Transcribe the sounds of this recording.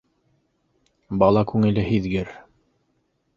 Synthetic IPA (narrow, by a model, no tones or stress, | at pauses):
bɑlˠɑkʉŋɘ̆lɘhiðɡɘɾ